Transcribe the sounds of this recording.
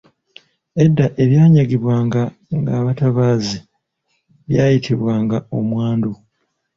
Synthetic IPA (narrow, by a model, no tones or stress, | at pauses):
e̞dːaʔe̞βjaːɲaɡiβwaːŋɡa | ŋɡaːβataβaːzi | βjaːjitʰiβwaːŋɡao̞mwaːndu